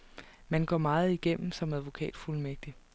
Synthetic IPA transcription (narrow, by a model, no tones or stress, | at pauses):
mænɡ̥ɒ̰ːmɑ̈ːð̞̩ˠiɡ̥em̰m̩sɒ̽mæðˠʋo̝kʰɛ̰ːd̥fulmeɡ̥̚d̥i